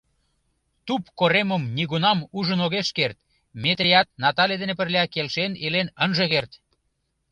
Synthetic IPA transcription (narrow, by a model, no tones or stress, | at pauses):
t̪upkoɾeməmniɣunɑmuʒənoɣeʃkert̪̚ | met̪ɾejɑt̪̚nɑt̪ɑlʲed̪enep̬ərlʲeɑkelʃenelenənʒeɣert̪